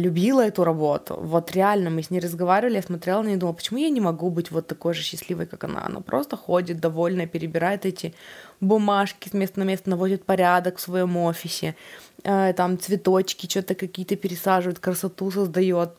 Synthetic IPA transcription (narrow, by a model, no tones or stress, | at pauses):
lʲʉbʲilˠəɛt̪ʊɾɐbo̞t̪ʊ̰vo̞t̪ɾʲɪalʲnəmɨsʲnʲeɪjɾəzɡɐvaɾʲɪvəlʲɪjasmɐt̪ɾʲelˠənnʲɪd̪umlˠpə̥t͡ɕɪmujanʲɪmɐɡubɨtʲvo̞t̪ːɐko̞jʐɨɕːɪsʲlʲivə̰jkakɐna̰ɐ̰no̰pɾo̞̰st̪əxodʲɪt̪̚d̪ɐvo̞lʲnəpʲɪɾʲɪbʲɪɾajɪt̪ɛtʲɪbʊmaʂkʲɪsmʲest̪ənɐmʲe̞st̪ənɐvo̞dʲɪt̪̚pɐɾʲad̪əkfsvɐjo̞mofʲɪsʲɪ̰ət̪amt̪svʲɪt̪o̞t͡ɕkʲɪt͡ɕot̪əkɐkʲijət̪əpʲɪɾʲɪsaʐɨvəjɪt̪kɾəsɐt̪usəzd̪ɐjo̞t̪̚